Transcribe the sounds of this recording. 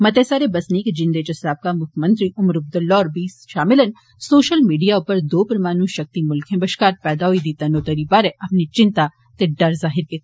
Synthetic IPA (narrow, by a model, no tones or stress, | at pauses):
mɐt̪esaːɾebɐsnikd͡ʒɪ̃nd̪eːd͡ʒɐsaːb̚kamʊkʰmɐ̃nt̪ɾiʔʊmɾɐb̚d̪ɐlːɔːɾbiːsʃaːmɪlɐn | soːʃəlmiːɖijaʊpəɾd̪oːpəɾmaːnũʃɐk̚t̪imʊlkʰẽbɐʃkaːɾpɛːd̪aɦoid̪iːt̪anoːt̪ɐɾibaːɾeʔɐpnit͡ʃɪ̃nt̪a | t̪eɖɐɾzaːɦɪɾke